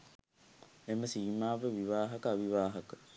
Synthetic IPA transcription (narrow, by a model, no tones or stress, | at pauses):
eməsiːmaːʋəʋiʋaːɦɐkaʋiʋaːɦɐkə